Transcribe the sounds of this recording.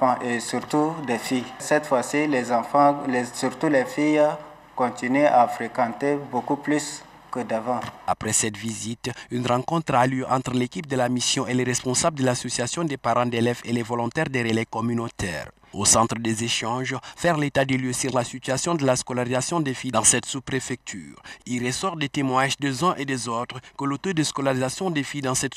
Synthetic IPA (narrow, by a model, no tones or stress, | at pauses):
ɑ̃ʔesyɾt̪ud̪ɛfijsɛt̪fwasilɛz̃fɑ̃ɛsyɾt̪ulɛfij | kɔ̃t̪ineafɾekãt̪ebokuplys | kəd̪avɑ̃apχɛsɛt̪vizit̪ynʁɑ̃kɔ̃t̪χalyʔɑ̃t̪χəlekip̚d̪əlamisjɔ̃ʔeleʁɛspɔ̃sabld̪əlasosijasjɔ̃d̪epaʁɑ̃d̪elɛvḛlevɔlɔ̃t̪ɛʁd̪eʁelɛkɔmynot̪ɛ̰ʁ | osɑ̃t̪χəd̪ezeʃɑ̃ʒfɛʁlet̪ad̪əljøsyʁlasit̪yasjɔ̃d̪əlaskɔlaʁizasjɔ̃d̪efid̪ɑ̃sɛt̪supʁefɛk̚t̪ʰy̰ːʁilʁəsɔʁd̪et̪emwãɲaʒd̪ezɛ̃ʔed̪ezot̪χəkəlot̪od̪əskɔlaʁizasjɔ̃d̪efid̪ɑ̃sɛt̪